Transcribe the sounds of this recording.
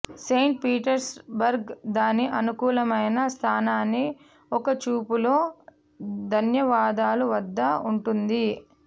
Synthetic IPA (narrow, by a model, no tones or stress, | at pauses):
seːɳʈ̚piːʈɐɾsbɐɾɡd̪aːnːiʔɐnukuːlɐmɐjnɐst̪ʰaːnaːnːi | ɔkɐt͡ʃuːpulo̞ː | d̪ʱɐnjɐʋaːd̪aːluʋɐd̪ːɐuɳʈund̪i